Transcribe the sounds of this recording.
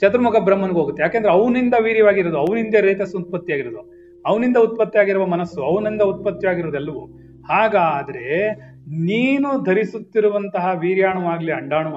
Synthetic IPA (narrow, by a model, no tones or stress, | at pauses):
t͡ʃɐt̪ɾɐmuɡɐbɾɐmːɐnɡeɦoːɡut̪ːejaːkeːnd̪ɐɾɐʋnind̪ɐʋiːɾjɐʋaːɡiɾoːd̪uɐʋɐnind̪eːɾeːt̪ɐsut̪̚pɐt̪ːjaːɡiɾoːd̪u | ɐʋnind̪ɐut̪̚pɐt̪ːjaːɡiɾuʋɐmɐnɐsːuɐʋɐnind̪ɐut̪̚pɐt̪ːjɐjaːɡiɾoːd̪ɛlːɐʋu | haːɡaːd̪ɐɾe̞ | niːnud̪ʱɐɾisut̪ːiɾuʋɐnt̪ɐɦɐʋiːɾjaːɳɐʋaːɡliɐɳɖaːɳu